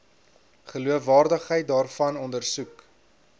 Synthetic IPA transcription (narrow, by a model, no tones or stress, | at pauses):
χəluəfvɑːrdəχɦəjt̚dɑːrfɐnɔndərsuk